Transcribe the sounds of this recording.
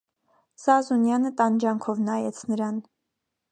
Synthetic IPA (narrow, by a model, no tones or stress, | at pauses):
z̥ɑzunjɑnət̪ɑnd͡ʒɑŋkʰɔvnɑjɛt͡sʰnəɾɑn